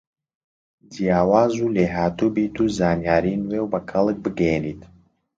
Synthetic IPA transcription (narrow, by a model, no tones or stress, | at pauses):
d̪ijaːwaːzuleːɦaːt̪ubiːt̪ʰuːzaːnjaːɾinwewbɐkʰɐlˠɨk̚bɨɡɛjɛnit̪